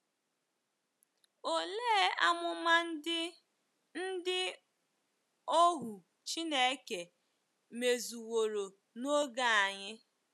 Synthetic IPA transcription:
o˨le˦a˦mʊ˦ma˦n˦ɪ˦ | n̩˦dɪ˦ | o˦ɦu˨ | t͡ʃi˦ne˦ke˨ | me˨zu˨wo˨ɾo˨ | no˦ɡa˦a˨ɲɪ˦

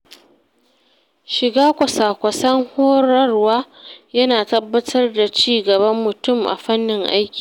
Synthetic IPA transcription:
ʃɪ˨ɡaː˦kʷɐ˨saː˨kʷɐ˨sɐ˦ŋhoː˦ɾɐ˦rwaː˦jɐ˦naː˨tɐ˦bːɐ˦tʰɐ˦rda˨t͡ʃiː˦ɡɐ˨bɐ˦mːʊ˨tʊ˦˨mʔa̰˨ɸɐ˦nːɪ˨ŋʔa̰˦jkʲi̥ː˨

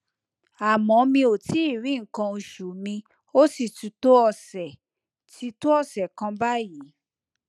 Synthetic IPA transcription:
a˨mɔ̃˨˦mĩ˧o˨ti˨˦i˦˨ɾĩ˨˦ŋ̩˨kã˧o˧ʃu˨mĩ˧ | o˦si˦˨tu˨˦to˦ɔ˦˨sɛ˨ | ti˦˧˦to˦ɔ˦˨sɛ˨kã˧ba˦ji˨˦

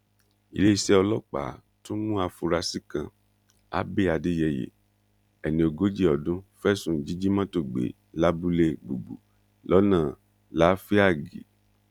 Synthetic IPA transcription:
i˨le˦i˧sɛ˦ɔ˧lɔ˦k͡pa̰˨ | to˦mũ˦a˧fu˧ɾa˧si˦kã˧ | a̰˦be˦˨a˨de˨˦jɛ˧jḛ˨ | ɛ˨nĩ˧o˧ɡo˦d͡ʒi˦˨ɔ˨dũ˦fɛ˦sũ˨d͡ʒi˨˦d͡ʒi˦mã˦to˦˨ɡ͡bḛ˨ | la˦bu˦le˧ɡ͡bu˨ɡ͡bṵ˨ | lɔ˨˦nãː˦˨ | la˨˦fi˦a˦˨ɡḭ˨˦

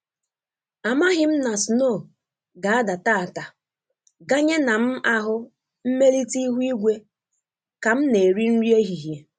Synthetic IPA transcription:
a˨ma˦ɦɪ˦m̩˦na˨sno˦˨ | ɡa˨a˦da˨ta˦a˨ta˨ | ɡa˦ɲe˦na˨m̩˦a˦ɦʊ˦ | m̩˦me˦li˦ti˦ɦu˦i˦ɡʷe˦ | ka˨m̩˦ne˨ɾi˦n̩˦ɾi˦e˦ɦi˨ɦje˨

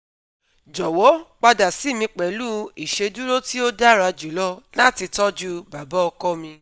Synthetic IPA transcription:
d͡ʒɔ˨wɔ˨˦k͡pa˧da˨si˨˦˨mĩ˧k͡pɛ˨luː˦i˨ʃe˧du˦ɾo˦ti˦o˦da˦ɾa˧d͡ʒu˨lɔ˦lã˦˨ti˧tɔ˦d͡ʒu˦ba˨ba˦ɔ˧kɔ˦mĩ˧

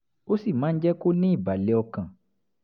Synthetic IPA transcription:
o˦si˦˨mãː˨˦n̩˦d͡ʒɛ˦ko˦nĩ˦i˦˨ba˨le˨˦ɔ˧kã˨

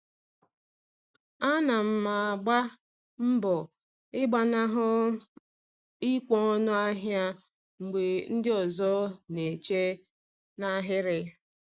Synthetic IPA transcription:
a˦na˨m̩˦ma˨a˨ɡ͡ba˦ | m̩˦bɔ˨ | ɪ˦ɡ͡ba˨na˦ɦʊ˦ | i˦kʷɔ˦ɔ˦nʊ˦a˦ɦja˦ | ŋ͡m̩˨ɡ͡be˨n̩˦dɪ˦ɔ˨zɔ˦ne˨t͡ʃe˦ | na˦ɦɪ˦ɾɪ˦

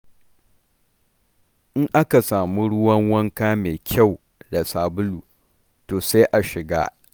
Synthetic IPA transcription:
ʔɪ˦ŋʔa˦ka˨saː˨mu˦ɽʊ˦wɐ˦ŋwɐ˦ŋkaː˦meː˨kʲʰa˦˨w | da˨saː˨bʊ˦luː˨ | toː˨se˦jʔa˨ʃɪ˨ɡa̰ː˦

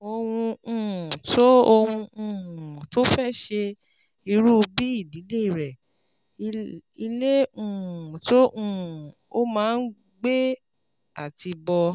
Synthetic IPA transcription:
o˧w̃ũ˧ũ˨to˦o˧wũ˧ũ˧˨to˦fɛ˦ʃe˧ | i˧ɾu˦˧bi˦i˦˨di˨˦le˦i˨ɾɛ˨ | i˧le˦ũ˦˨to˦ũ˦˨ | o˦mãː˦˧n̩˦ | ɡ͡be˦ | a̰˦˨ti˧bɔ˧

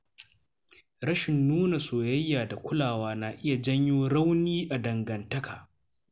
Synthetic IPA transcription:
ɾɐ˦ʃɪ˨nːuː˦na˨soː˨jɐ˦jːaː˨da˨kʷʊ˦laː˨waː˦na˨ʔɪ˦ja˨d͡ʒɐ˦ɲjoː˦ɽa˦wniː˦ʔa˨dɐ˨ŋɡɐ˨ntɐ˦kaː˨

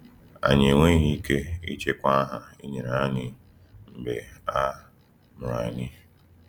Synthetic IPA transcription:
a̰˨ɲe˨ŋʷe˦i˦ɦi˦i˦ke˦ḭ˦t͡ʃe˦kʷa˦ɦa˨i˦ɲe˨ɾa˨a˦ɲɪ˦ | m̩˨be˨a˦ | mʊ˨ɾa̰˨nɪ˦

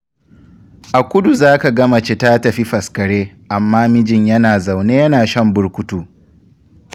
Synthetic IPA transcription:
ʔa˨kʷʊ˦du˨zaː˦ka˨ɡɐ˦mɐ˨t͡ʃe˦ta˦tɐ˨ɸi˦ɸɐ˨skɐ˨ɽeː˦ʔa˨mːaː˦mɪ˦d͡ʒɪ˨ɲjɐ˦naː˨za˨wneː˦jɐ˦naː˨ʃɐ˦mbʊ˦ɽkʷʊ˦tuː˦

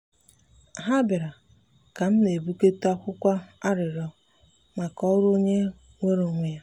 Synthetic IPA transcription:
ɦa˦bɪ˨ɾa˨ | ka˨m̩˦ne˨bu˦ke˦ta˦kʷʊ˦kʷa˦a˦ɾɪ˨ɾɔ˦ | ma˨kɔ˦ɾo˦ɲe˦ | ŋʷe˦ɾo˨ŋʷe˦ja˦

